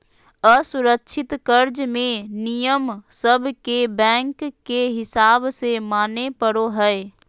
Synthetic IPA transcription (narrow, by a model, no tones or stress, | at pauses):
əsʊɾəkʃʰɪt̪kəɾd͡ʒmẽnijəmsəbʱkebɛ̃ːŋkːeɦɪsaːbsemaːnepəɽoɦɛɛ